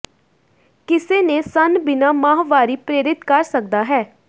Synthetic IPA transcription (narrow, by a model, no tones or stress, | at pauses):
kɪseːneːsənbɪnaːmãːɦʋaːɾiːpɾeːɾɪt̪kəɾsəkd̪aːɦɛː